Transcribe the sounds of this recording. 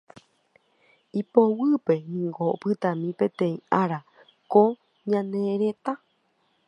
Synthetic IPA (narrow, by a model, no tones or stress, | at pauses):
ipowɨpe̞nĩŋɡopɨt̪amĩpẽ̞t̪ẽ̞ĩaɾa | ko | ɲãneɾet̪a